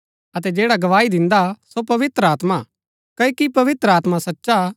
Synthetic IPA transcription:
ɐt̪ɛd͡ʒeːɽaɡɐʋaːid̪ɪ̃nd̪asopɐʋɪt̪ɾəaːt̪ma | kɐikipɐʋɪt̪ɾəaːt̪mãsɐtːʃa

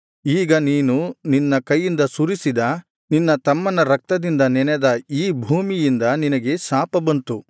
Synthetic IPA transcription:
iːɡɐniːnuninːɐkɐjːind̪ɐsuɾisid̪ɐ | ninːɐt̪ɐmːɐnɐɾɐk̚t̪ɐd̪ind̪ɐnɛnɛd̪ɐiːbʱuːmijind̪ɐninɐɡe̞saːpɐbɐnt̪u

